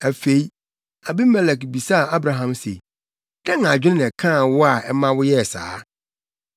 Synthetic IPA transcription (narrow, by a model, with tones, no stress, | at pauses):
æ˨fe˨i˦ | a˨bi˦mɛ˦˨lɛ˨kbi˨sa˦˨a˦bɾã˨ɦã˨msḛ˨ | d̥ɛ̃˦ŋã˨d͡ʑᶣɪ˦nɪ̃˦nɪ̃˨kʰã˦˨wʊ˦a˨ʔɛ˦mã˦wʊ˦jɛ˦˨sa̰ː˨˦